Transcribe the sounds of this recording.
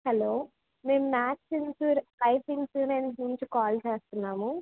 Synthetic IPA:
hɐloː | me̞ːmumaːt͡ʃːinsuːɾkɐjpinsuːnennuɲt͡ʃukaːlt͡ʃeːst̪unːaːmu

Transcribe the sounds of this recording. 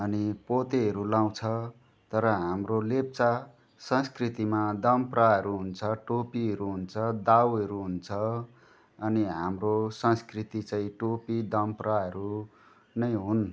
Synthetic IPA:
ʌnipot̪eɦʌɾulaw̃t͡sʰʌ | t̪ʌɾʌɦamrolep̚t͡sa | sʌ̃skrit̪imad̪ʌmpraɦʌɾuɦunt͡sʰʌʈopiɦʌɾuɦunt͡sʰʌd̪awɦʌɾuɦunt͡sʰʌ | ʌniɦamrosʌ̃nskrit̪it͡sãĩʈopid̪ʌmpraɦʌɾu | nʌjɦun

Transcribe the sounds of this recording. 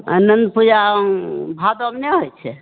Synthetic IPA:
ə̰nənd̪pud͡ʒa | bʱad̪oəmneɦojt͡ʃʰɛ

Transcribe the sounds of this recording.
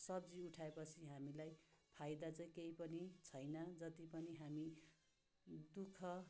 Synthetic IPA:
sʌb̚d͡ziuʈʰaepʌt͡sʰiɦamilajpʰajd̪at͡sʌĩkejpʌnit͡sʰʌjnʌd͡zʌt̪ipʌniɦami | d̪ukʰʌ

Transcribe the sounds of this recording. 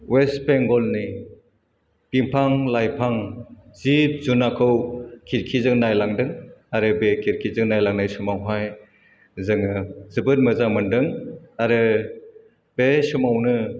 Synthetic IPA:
wespeŋɡɔlni | piŋpʰaŋlajpʰaŋzit̚zunakʰɯwkʰiɾkʰizɯŋnajlaŋdɯŋaɾɯbekʰiɾkʰizɯŋnajlaŋnajsumawɦaj | zɯŋɯzɯbɯt̚mɯzamɯndɯŋaɾɯ | b̥esumawnɯ

